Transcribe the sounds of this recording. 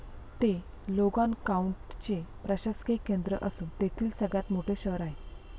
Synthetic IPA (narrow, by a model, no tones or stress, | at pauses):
t̪e | loɡankauɳʈt͡ɕepɾəɕaskekːend̪ɾə̰ʔəsuːnt̪et̪ʰiːlsəɡɭjat̪moʈʰeɕəɾaɦe